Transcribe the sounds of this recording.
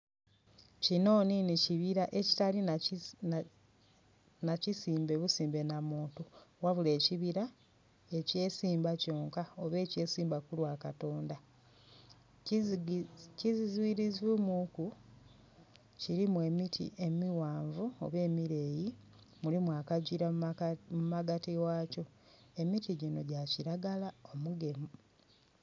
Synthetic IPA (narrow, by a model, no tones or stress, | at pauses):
cino̞ːniniciβiɾaʔe̞ci̥tali | nacisiːmbe̞βusiːmbe̞namuːntuwaβule̞ːciβiɾa | e̞ce̞ːsiːmbaco̞ːŋkaoβe̞ːce̞ːsiːmbakulwakato̞ːnda | cizizwiɾizemuku | ciɾimwe̞mitʰḭʔe̞miwaːɱvuo̞̰βe̞ːmiɾe̞ːji | mulimwakaɟiɾamumaɡatiwaːco̞ | e̞mitiɟino̞ɟaciɾaɡalao̞muɡe̞mu